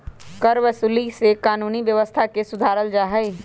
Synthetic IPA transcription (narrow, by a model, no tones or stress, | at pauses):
kəɾʋəsuːlisekaːnuːniʋjəʋəst̪ʰakesʊd̪ʱaːɾəld͡ʒaːɦəi